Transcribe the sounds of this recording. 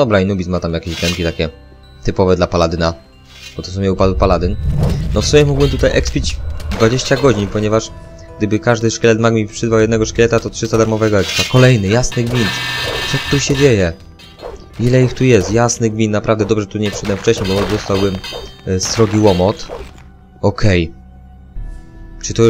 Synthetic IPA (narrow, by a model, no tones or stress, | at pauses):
d̪ɔbɾainubʲismat̪amjakʲeʑɡɾɛŋkʲit̪akʲɛ | t̪ɘpɔvɛd̪lapalad̪ɘna | b̥ɔt̪ɔsumʲɛupad̪wupalad̪ɘnnɔfsumʲɛmuɡwbɘmt̪ut̪ajʔɛkspʲid͡ʑd̪vad͡ʑeɕt͡ɕaɡɔd͡ʑiɲpɔɲɛvaʂ | ɡ̚d̪ɘbɘkaʐd̪ɘʂkʲɛlɛt̪maɡmʲipʂɘzvawjɛd̪nɛɡɔʂkʲɛlɛt̪at̪ɔtʂɘst̪ad̪aɾmɔvɛɡɔɛkspfakɔlɛjnɘjasnɘɡvʲint̪t̪sɔt̪ːuɕɛd͡ʑejɛ | ilɛixt̪ujɛst̪jasnɘɡvʲinnapɾavd̪ɛd̪ɔbʐɛt̪uɲɛpʂɛd̪wɛmft͡ʂɛɕɲejbɔzɔst̪awbɘmst̪ɾɔɡʲiwɔmɔt̪ | ɔkʰɛj | t͡ʂɘt̪ɔ